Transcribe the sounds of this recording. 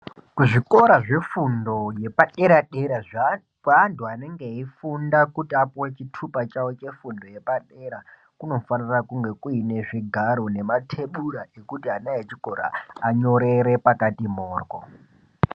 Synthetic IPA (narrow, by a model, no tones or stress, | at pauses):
kuʐiko̞ɾaʐe̞fundo̞je̞paɗe̞ɾaɗeɾa | kwanduane̞ŋɡeifundakutiapowet͡ʃitʰupat͡ʃawot͡ʃe̞fundo̞je̞paɗe̞ɾa | kuno̞fanirakuŋɡe̞kuine̞ʐiɡʱaɾone̞matʰe̞ɓuɾaʔekutiɦanajet͡ʃiko̞ɾa̰aɲo̞ɾe̞ɾe̞pakatimoːrko̰